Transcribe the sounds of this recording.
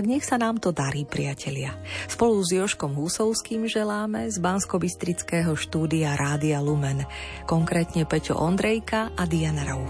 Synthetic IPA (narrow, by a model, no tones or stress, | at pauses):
aɡɲɛxsanaːmt̪ɔd̪aɾiːpɾɪacʰɛlɪaspɔluzjɔʃkɔmɦusɔʊskiːmʒɛlaːmɛzbanskɔbist̪ɾit͡skɛːɦɔʃt̪uːd̪iaɾʔaːd̪ialumɛn | kɔŋkɾɛːt̪ɲɛpɛcɔ̰ʔɔnd̪ɾɛjkaad̪ianaɾɔʊ